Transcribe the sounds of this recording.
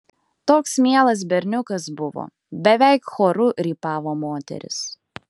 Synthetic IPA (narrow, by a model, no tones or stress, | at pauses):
t̪oːksmʲiɛlˠɐs̬bʲɛɾʲnʲʊkɐs̬bʊʋo̰ː | bʲɛʋʲɛɪkxoːɾʊɾʲiːpɑːʋoːmoːt̪ʲɛ̰ɾʲɪ̰s